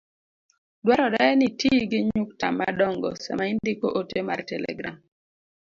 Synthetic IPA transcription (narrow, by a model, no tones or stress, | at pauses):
dwaɾɔdɛnitiɡɪɲuk̚tama̰dɔŋɡɔ̰sɛ̰maindikoʔotemartɛlɛ̰ɡɾa̰m